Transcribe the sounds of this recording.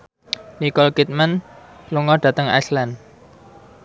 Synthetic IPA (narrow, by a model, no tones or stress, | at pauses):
nikɔlkit̪̚manluŋɔɖ̥ä̤t̪əŋa̰jslan